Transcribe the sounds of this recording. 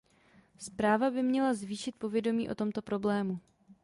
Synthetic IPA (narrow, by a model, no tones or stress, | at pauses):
spɾaːvabɪmɲɛlazviːʃɪt̪̚po̞vjɛdo̞miːʔo̞̰t̪o̞mt̪o̞pɾo̞blɛːmu